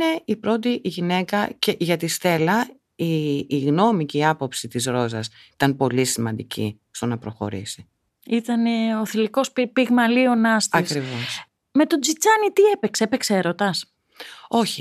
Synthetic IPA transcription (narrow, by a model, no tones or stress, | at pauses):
ne̞ipɾo̞t̪iʝine̞kɐ̰ce̞ʝɐt̪ist̪e̞lɐ | iːɣno̞miceiɐpo̞psit̪izɾo̞zɐsit̪ɐnpo̞lisimɐnd̪icḭst̪o̞nɐpɾo̞xo̞̰ɾḭsi̥ | it̪ɐneoθiliko̞spipiɣmɐlio̞nɐst̪ɐksɾivo̞s | me̞t̪o̞d͡zit͡sɐnit̪ie̞pekseepekseeɾo̞t̪ɐs | o̞çi